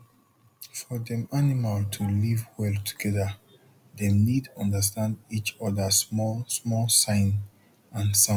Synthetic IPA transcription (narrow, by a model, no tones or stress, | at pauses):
fɔðɛ̃manimaltʰulivwɛlˠtʰu̥ɡ̥ɛðə | ðenidɔ̃ndəs̬tãndit͡ʃɔðəsmɔsmɔlsãɪ̃n | ãnsãm